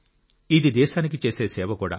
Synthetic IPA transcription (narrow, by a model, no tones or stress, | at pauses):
id̪id̪ɛːʃaːnik̬it͡ʃeːseːsɛːbɐkuːɽa̰